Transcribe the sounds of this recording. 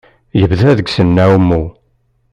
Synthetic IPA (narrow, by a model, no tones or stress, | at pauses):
jəvðæðəɡsənːæwəmːu